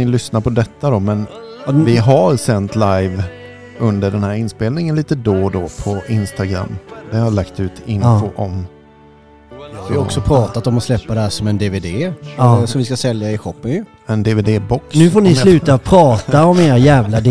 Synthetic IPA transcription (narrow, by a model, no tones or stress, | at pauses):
nɪlʏsnaɾpʰɔd̪ɛt̪ːad̪ɔmɛn | vɪɦaɾsɛnt̪lajv | ɵnd̪əɖɛnhæːɾɪnspeːlnɪŋənliːt̪əd̪oːd̪ɔpʰɔɪnst̪aɡɾa̰mːd̪ɛhalakt̪ʉ̟ːt̪ɪnfoʔɔm | sɔksɔpʰɾɑːt̪at̪ɔmɔslɛpːad̪ɛhæːʂɔmɛnd̪eːveːd̪eːaasɔmvɪs̬kasɛljaɪɧɔpːənjɵ | ɛnd̪eːveːd̪eːbɔknʉ̟ːfoːɳɪslʉ̟ːt̪apʰɾɑːt̪aɔmeːɾajæːvlad̪